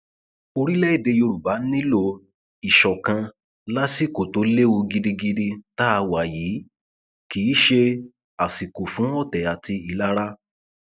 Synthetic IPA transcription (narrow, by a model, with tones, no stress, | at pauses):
o˧ɾi˦lɛ˦i˦˨de˧jo˧ɾu˨ba˨˦n̩˦nĩ˦lo˧ | i˨ʃɔ˨kã˧ | la˦si˦˨ko˨to˨˦le˦o˧ɡi˧di˧ɡi˦di˦ta˦˧wa˨jiː˨˦ | ki˨˦ʃe˧ | a˨si˨ko˨fũ˨˦ɔ˦˨tɛ˨a˨ti˧i˨la˦ɾa˦